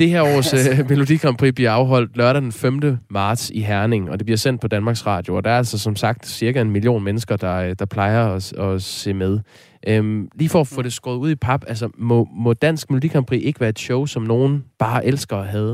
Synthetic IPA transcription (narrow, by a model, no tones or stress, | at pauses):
d̥e̝heɐɒ̰ːsøme̝ludḭkʰɑmpʰʁḭːb̥liɐɑ̈ʊɦɒ̽l̰d̥lɶɐɾæd̥enfemd̥əmɑ̈ːd̥siɦæɐne̝ŋ̩ɒ̽d̥e̝b̥liɐsen̰d̥pʰɒ̽d̥ænmɑ̈ːɡ̥sʁɑ̰̈ːd̥jo̝ɒd̥ɑ̈ɐælsɒsɒ̽msɑ̈ɡ̥̚d̥siɐɡ̥æe̝nmilio̝̰ːnmenəsɡ̥ɐd̥ɑ̈d̥ɑ̈pʰl̥ɑ̈ɪɐɒɒ̽se̝̰með̞ˠ | ʔømliːfɒːfɔ̽ːd̥e̝sɡ̥ʁɔ̽ːðˠuð̰ˠipʰɑ̈b̥æls̬ɐmɔmɔ̽d̥æn̰sɡ̥meludḭkʰɑmpʰʁḭʔe̝ɡ̥əʋæːɐe̝d̥ɕɔʊsɒ̽mno̝ːn̩b̥ɑ̈ːʔelsɡ̥ɐɒɦɛð̞ˠ